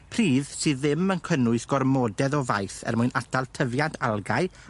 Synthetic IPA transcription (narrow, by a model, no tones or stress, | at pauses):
pʰriːðsɨːðɪmənkʰənʊɨsɡ̥ɔrmɔːdɛðɔva̰jθɛ̰rmʊɨnatʰalˠtʰəvjandalˠɡaɨ